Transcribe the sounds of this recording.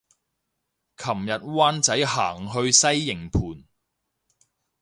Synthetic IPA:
kʰɐ˨˩mjɐ˨t̚waː˥nt͡sɐ˨˥jɦaː˨˩ŋɦɵ˧ɥsɐ˥jːɪ˨˩ŋpʰuː˨˩n

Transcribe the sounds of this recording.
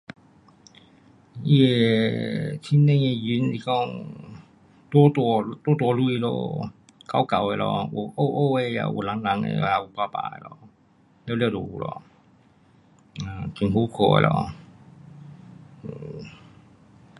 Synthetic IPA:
ʔi˧e˨˧ | tʰi˧˥nɛ̃˥˧˨ŋe˧jy˧˥˦nli˧˩kɔ˥˧ŋ | t̪wɔ˥t̪wɔ˧t̪wɔ˥t̪̬wɔ˧lu˥˧i˧lo̰˧ | ka˧˦wka˨we˧lɔ̰˧ʔu˨˩ʔo˥˧ʔo˥˧˨e˧ja̰˧˩ʔṵ˨˩la˨˦ŋla˧˦ŋḛ˧˨a˧˩u˨˩pa˧˩pa̰˧˩ḛ˨lɔ˧˩ | lɛ˧lɛ˧lo̰˨˩ṵ˨˩lɔ̰˧ | a˧˩ki˨˩nɦu˧˦kʰo˧˩ḛ˨˧lɔ̰˧˩˨

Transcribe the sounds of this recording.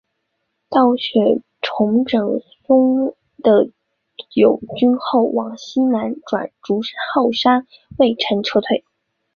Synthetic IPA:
t̪ɑ˥˩ʊɕɥɛ˨˩ | ʈ͡ʂʰʊ˧˥ŋʈ͡ʂɤ˨˩ŋ | sʊ˥ŋ | d̪̥ə˨ | jo˨˩ʊt͡ɕy˥nxo˥˩ʊwɑ˨˧˩ŋɕi˥na˧˥nʈ͡ʂwa̰˨˩nʈ͡ʂu˧˥ʂxɑ˥˩ʊʂa˥n | we˥˩ɪʈ͡ʂʰə˧˥ŋʈ͡ʂʰɤ˥t̪ʰwe˥˩ɪ

